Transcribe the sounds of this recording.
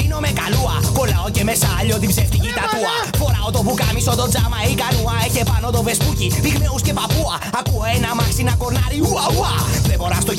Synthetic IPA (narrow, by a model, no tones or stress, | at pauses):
inomekɐluɐko̞lɐoce̞mesɐːʎot̪ibzeft̪icit̪ɐt̪uɐ | foɾɐot̪o̞pukɐmisot̪o̞d͡zɐmɐeikɐnuɐeçe̞pɐno̞t̪o̞ve̞spucipiɣmeusce̞pɐpuɐːkuoenɐmɐksinɐkoɾnɐɾiuɐuɐðeboɾɐst̪o